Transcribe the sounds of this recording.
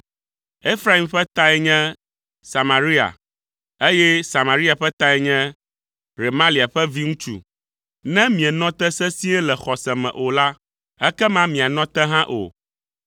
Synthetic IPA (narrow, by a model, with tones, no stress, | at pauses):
e˦fɾa˨i˨mɸɛ˦t̪a˦ɛ˨ɲɛ̃˦ | sa˨ma˨ɾi˦a̰˨ | e˦jɛ˦sa˨mã˨ɾi˦a˨ɸɛ˦t̪a˦ɛ˨ɲɛ̃˦ | ɾe˨mã˦li˨a˨ɸɛ˦vi˦ŋũ˦t͡ʃṵ˨ | nɛ̃˦mĩ˨ɛ˨nɔ̃˦t̪ɛ˦sɛ˦si˦ɛ˦lɛ˨xɔ˨sɛ˨mɛ̰̃˨ʔo˨la˦ | ɛ˦kɛ˦mã˦mĩ˨a˨nɔ̃˦t̪ɛ˦ɦã˦ʔo̰˨